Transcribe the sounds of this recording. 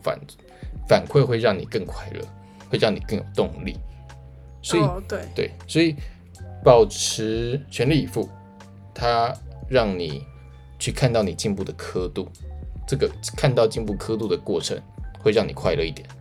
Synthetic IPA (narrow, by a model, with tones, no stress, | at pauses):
fa̰˨˩n | fa˨˩nkʰwe˥˧ɪxwe˥˧ɪɻɑ˥˩ŋni˨˩kə˥˧ŋkʰwa˥˩ɪlə̰˩˦ | xwe˥˧ɪɻɑ˥˩ŋni˨˩kɤ˥˩ŋjo˨˩ʊt̪ʊ˥˧ŋlḭ˥˩ | swɔ˧˥i˨˩t̪t̪we˥˩ɪswɔ˧˥i˨˩ | pɑ˨˩ʊʈ͡ʂʰɻ̩˧˥t͡ɕʰɥɛ˧˥nli˥˩i˨˩fu˥˩ | t̪ʰa˥ɻɑ˥˩ŋni˨˩ | t͡ɕʰy˥˧kʰa˥˧nt̪ɑ˥˩ʊni˨˩t͡ɕi˥˧npu˥˩d̪ə˩kʰɤ˥t̪u˥˩ʈ͡ʂɤ˥˩ɡə˩kʰa˥˧nt̪ɑ˥˧ʊt͡ɕi˥˧npu˥˩kʰɤ˥t̪u˥˩d̪ə˩kwɔ˥˩ʈ͡ʂʰə̰˧˥ŋxwe˥˧ɪɻɑ˥˩ŋni˨˩kʰwa˥˩ɪlə˩˦i˥˩t̪jɛ˨˩˦n